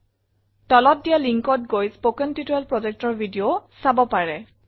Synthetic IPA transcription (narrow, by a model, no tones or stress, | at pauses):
tɔlɔt̚dijaliŋkɔt̚ɡojspokɛntitɔɛlpɹɔzɛk̚tɔɹbʱidiosabɔpaɹɛ